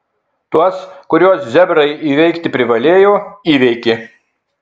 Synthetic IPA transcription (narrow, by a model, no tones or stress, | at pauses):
t̪uɔskʊɾʲuɔszʲɛbɾɐɪiːʋʲɛɪkt̪ʲɪpʲɾʲɪʋɐlʲeːjoːiːʋʲɛɪkʲɪ